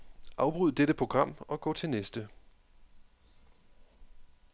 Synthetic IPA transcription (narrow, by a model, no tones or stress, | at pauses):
ʔɑ̈ʊb̥ʁyð̰ˠd̥eɾ̥əpʰʁo̝ɡ̥ʁɑ̈m̰ɒ̽ɡ̥ɒ̰ːt͡sʰe̝lnesd̥ə